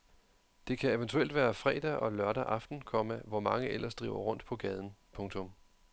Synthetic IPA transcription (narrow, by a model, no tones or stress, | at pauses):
d̥e̝kʰæe̝ʋənt͡sʰuel̰d̥ʋæːɐfʁɛ̰ːd̥æʔɒ̽lɶɐɾæʔɑ̈fd̥n̩kʰɒ̽mæʋɒmɑ̈ŋəelʔɐsd̥ʁḭːʊɐʁɔ̽n̰d̥pʰɒ̽ɡ̥ɛːð̞ˠn̩pʰɔ̽ŋt͡sʰɔ̽m